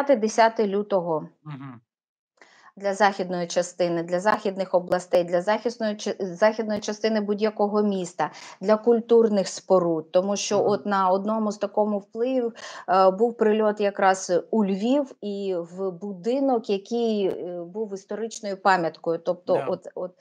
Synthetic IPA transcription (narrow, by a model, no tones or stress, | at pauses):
t̪ɪd̪esʲat̪ɪlʲut̪ɔɦɔ | d̪lʲɐzɑxʲid̪nɔjit͡ʃɐst̪ɪnɪd̪lʲɐzɑxʲid̪nɪxɔblˠɐst̪ɛjd̪lʲɐzxʲisnɔzɑxʲid̪nɔjit͡ʃɐst̪ɪnɪbudʲjɐkɔɦɔmʲist̪ɐd̪lʲɐkʊlʲt̪urnɪxspɔɾut̪ːɔmuʃt͡ʃɔʔɔt̪nɐɔd̪nɔmʊzt̪ɐkɔmʊwplˠɪʋʲiwbuwpɾɪlʲɔt̪jɐkɾɑz̥ulʲʋʲiwiwbʊd̪ɪnɔkjɐkʲijbuwist̪ɔɾɪt͡ʃnɔjʊpɑmʲjɐt̪kɔjʊt̪ɔp̚t̪ɔʔɔt̪ɔt̪̚